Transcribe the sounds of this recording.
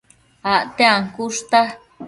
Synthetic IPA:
aʔt̪eaŋkuʂt̪a

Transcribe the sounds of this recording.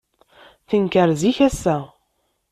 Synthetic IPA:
θəŋkəɾziçæsːæ

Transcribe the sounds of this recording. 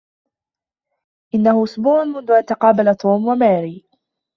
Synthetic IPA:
ʔɪnːahʊʔʊsbuːʕʊnmʊnd̪ʊʔant̪ɑqɑːbalat̪ʰˤuːmwamaːɾiː

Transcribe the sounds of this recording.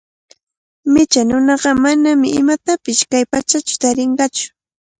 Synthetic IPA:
mɪt͡ʃanʊnɑɢɑmanamɪɪmat̪apɪʃkajpat͡ʃat͡ʃʊ̥t̪aɾɪɴɢɑt͡ʃʊ̥

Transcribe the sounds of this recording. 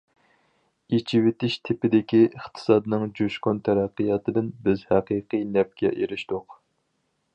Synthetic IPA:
et͡ʃʰiwɪt̪ɪʃt̪ʰɪpɪd̪ɪkʲiəχt̪ʰɨ̥sɑːd̪ɨnɨŋd͡ʒuʃkont̪ʰæɾæqːɨjɑt̪ʰɨd̪ɪnbɪzhæqiqɨjnɛp̚kʲʰɛ̰ʔeɾɪʃt̪ʊq

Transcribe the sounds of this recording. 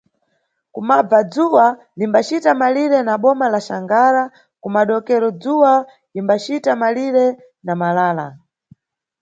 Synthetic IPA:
kumab͡vad͡zuwa | limbat͡ʃitamaliɾɛnaɓɔmalaʃaŋɡaɾa | kumaɗɔkɛɾɔd͡zuwa | imbat͡ʃitamaliɾɛ | namalaːla̰

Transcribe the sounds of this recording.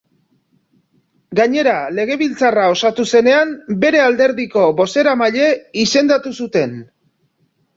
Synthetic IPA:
ɡaɲe̞ɾale̞ɣ̞e̞β̞ilt͡sarao̞sat̪use̞ne̞ambe̞ɾe̞ald̪e̞ɾðiko̞βo̞se̞ɾamaʎe̞ise̞nd̪at̪usut̪e̞n

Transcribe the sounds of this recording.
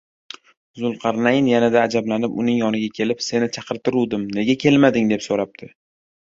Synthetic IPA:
zʊlˠqʰɑɾnajɪnjanad̪aːd͡ʒablanɪpʊnɪŋjɒnɪɡʲakʲʰe̞lɪpse̞nɪt͡ʃʰɑqʰɨɾt̪ɪɾud̪ɪmne̞ɡʲakʲʰe̞lmad̪ɪŋd̪e̞psoɾap̚t̪ʰɪ

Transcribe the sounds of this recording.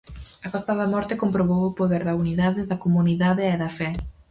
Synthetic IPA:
ɐkɔst̪ɐðɐmɔɾt̪ekompɾoβowopoðeɾðɐuniðaðɪðɐkomuniðaðeɛðɐfɛ

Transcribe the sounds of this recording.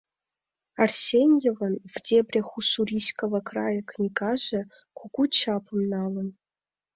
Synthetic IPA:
arsʲenʲjevənvdʲebrʲeχusurʲiskʰəvɐkʰrajɐkʰnʲiɡaʒɐ | kʰʷuɡʷut͡ʃʰapʰə̆mnalən

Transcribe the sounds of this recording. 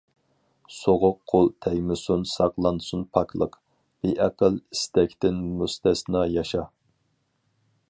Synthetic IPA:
soʁʊqʰːolˠt̪ʰɛjmɪsunsɑqlˠɑnd̪sunpʰɑkʰlˠəq | b̥eʔɛqəlist̪ɛkʲt̪ɪnmust̪ʰɛsɨnɑjɑʃɑ

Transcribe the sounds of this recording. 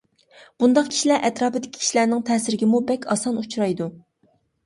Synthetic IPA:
b̥und̪ɑq̚kʲʰi̥ʃilæɾʔɛt̪ɾɑːpɪd̪ɪkʲi̥iʃlæɾnɪŋt̪ʰɛːsɪɾɪɡʲɪmubɛkʲʰɑ̰sɑnut͡ʃɾɑjd̪u

